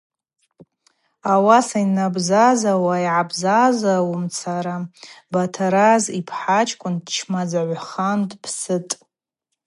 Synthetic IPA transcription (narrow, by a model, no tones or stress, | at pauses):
awasainabzazawaiʕabzazawumt͡sʰaɾabatʰaɾazipʰħat͡ʃʰʼkʷʼʊndt͡ʃʰmad͡zaʕʷaχandpʰsɨtʼ